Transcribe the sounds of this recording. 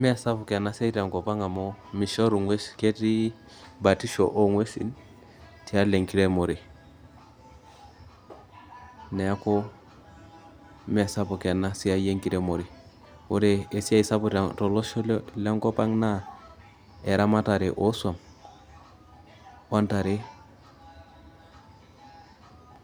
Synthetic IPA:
mɛ˦˨sa˦pu˨ke˨na˦se˦i˦ta˨ŋko˨pa˦ŋa˨mo˦mi˨ʃo˦ɾu˨ŋwe˦ske˦ti˦ | ba˨ti˦ʃo̰˨ʔo˦ŋwe˦sḭ˨n | ti˨˦a˦le˨ŋki˦ɾe˦mo˨ɾi˨ | ne˨ja˦ko˦ | me˨sa˦po˨ke˨na˦si˦a˦je˦ŋki˦ɾe˦mo˨ɾi˨ | wo̰˦ɾe˨e˨si˦ja˦i˦sa˦pu˨ɾto˨lo˦ʃo˦le˦ŋko˦pa˦ŋna˦ | e˨ɾa˦ma˦ta˨ɾe˨ʔo˦su˦a˨m | wo˦nta˨ɾe˦

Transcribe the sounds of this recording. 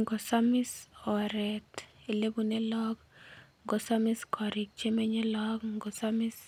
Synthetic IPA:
ŋɡo˨sa˦mi˦sɔ˨ɾɛ˨te˨le˦bu˦ne˦lɔ˦ɡŋɡo˨sa˦mi˦skʰɔ˨ɾi˨k̚t͡ʃe˦me˦ɲe˦lɔ˦kŋɡɔ˨sa˦mi˦s

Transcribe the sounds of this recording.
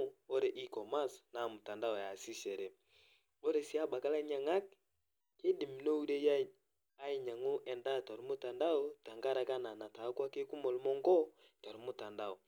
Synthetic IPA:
ɔ˦ɾɛ˨ʔi˦kɔ˨ma˦sna˨mo˨ta˨nda˦ɔ˨ja˨si˦ʃɛ˨ɾɛ˨ | ɔ˦ɾɛ˨si˦a˦ba˨ka˦la˦ɲa˨ŋa˦k̚ | ke˦di˨m̩˨no˦u˦ɾɛ˦ja˦ | a˦i˨ɲa˨ŋo˦ʔɛ˨nda˦˨ta˨ɾu˦mo˦ta˨nda˦ɔ˦ta˨ŋɡa˦ɾa˨ka˦na˨na˨ta˨˦kwa˦ke˦ku˦mɔ˨lu˦mɔ˦ŋɡɔ˦ | ta˨ɾu˦mo˦ta˨nda˦ɔ˨

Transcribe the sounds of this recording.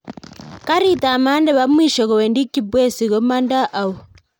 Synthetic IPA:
ka˦ɾi˦ta˨ma˦ndɛ˦βa˦mwiː˨ʃɔ˨ɣo˨we˨ndi˦kːi˦bwe˦si˨ɣo˦ma˦nda˦ʔa˨o˨

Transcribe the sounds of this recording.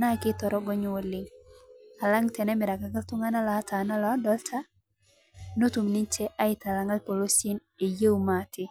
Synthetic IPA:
na˦kɪ˦tɔ˨ɾɔ˦ɡɔ˦ɲ˦wo˨lɪ˦ŋ | a˨la˦ŋtɛ˨nɛ˦mɪ˨ɾa˨ka˨ka˦tu˦ŋa˦na˦lɔ˨a˦ta˨na˦lɔ˦dɔ˦ltʰa˦ | no˦tu˨mni˦nt͡ʃe˦ʔa˦ɪ˦ta˨la˨ŋɡa˦lpo˨lo˦sɪ˦n | e˨je˦wuma˨tɪ˦

